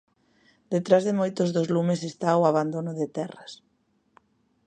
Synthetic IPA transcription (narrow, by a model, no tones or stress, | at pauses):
d̪̥et̪ɾazðɪmojt̪ʊzðozlumesest̪aoaβand̪onʊðɪt̪ɛrɐs